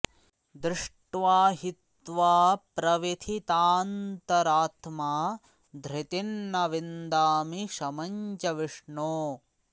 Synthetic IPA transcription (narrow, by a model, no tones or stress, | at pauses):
d̪ɾɪʂʈʋaːɦit̪ʋaːpɾɐʋit̪ʰit̪aːnt̪ɐɾaːt̪maː | d̪ʱɾit̪inːɐʋind̪aːmiʃɐmɐɲt͡ʃɐʋiʂɳoː